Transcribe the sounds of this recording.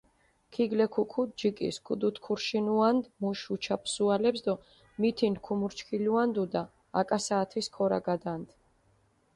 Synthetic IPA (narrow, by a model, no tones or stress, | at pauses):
kʰiɡlɛkʰukʰud͡ʒikʼḭskʰud̪ut̪ʰkʰuɾʃinuand̪muʃut͡ʃʰapʰsualɛpsd̪ɔ | mit̪ʰinkʰumuɾt͡ʃʰkʰiluand̪ud̪a̰ː | kʼasaːt̪ʰviskʰɔɾa̰ɡad̪and̪̥